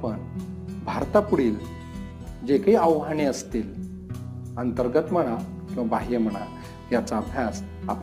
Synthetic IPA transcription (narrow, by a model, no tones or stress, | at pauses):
pəɳ | bʱaɾt̪apuɽiːl | d͡ʑekiəʋɦaɳeəst̪iːl | ənt̪əɾɡət̪m̤əɽ̃a | kĩw̃ʋabaɦim̤əɽ̃a̰ | jat͡saəbʱjas | a̰p